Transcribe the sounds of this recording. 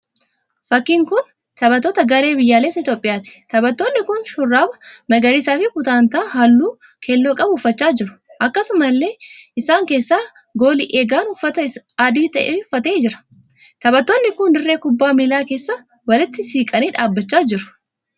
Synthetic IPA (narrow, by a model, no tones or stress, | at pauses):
fɐkːiːŋkʊn | t̪ɐbɐt̪ːoːt̪ɐɡɐɾe̞ːbɪjːaːleːsɐɪt̪jo̞ːpʼɪjaːt̪ɪ̥t̪ɐbɐt̪ːo̞ːnːɪkʊnʃʊrːaːbɐmɐɡɐɾiːsaːfɪkʊt̪aːnt̪aːhɐlːuː | kʰɛlːo̞ːkʼɐbʊʊfːɐt͡ʃːaːd͡ʒɪɾʊ̥ʔɐkːɐsʊmɐlːe̞ːɪsaːŋke̞ːsːaː | ɡo̞ːlɪʔeːɡaːnʊfːɐt̪ɐɐd̪iːt̪ɐʔeːʊfːɐt̪e̞ːd͡ʒɪɾɐ̥ | t̪ɐbɐt̪ːoːnːɪkʊnd̪ɪrːe̞ːkʊbːaːmilaːke̞ːsːa | wɐlɪt̪ːɪsiːkʼɐniːᶑaːbːɐt͡ʃːaːd͡ʒɪɾʊ̥